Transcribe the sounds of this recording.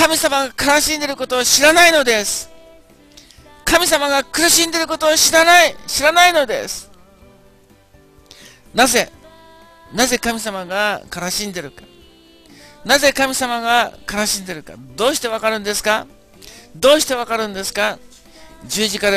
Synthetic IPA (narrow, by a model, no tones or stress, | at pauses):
kamʲisamaɡakanaɕĩnd̪e̞ɾɯ̟ko̞t̪o̞ːɕiɾanaino̞d̪e̞sɨ̥ | kamʲis̬amaɡakɯ̟ɾɯ̟ɕĩnd̪e̞ɾɯ̟ko̞t̪o̞ːɕiɾanaiɕiɾanaino̞d̪e̞̰sɨ̥ | naze̞ | naze̞kamʲis̬amaɡakanaɕĩnd̪e̞ɾɯ̟kḁ | naze̞kamʲisamaɡakanaɕĩnd̪e̞ɾɯ̟ka̰d̪o̞ːɕi̥t̪e̞β̞akaɾɯ̟̃nd̪e̞sɨ̥ka | d̪o̞ːɕi̥t̪e̞βakaɾɯ̟̃nd̪e̞sɨ̥ka | d͡ʑɨːʑikaɾ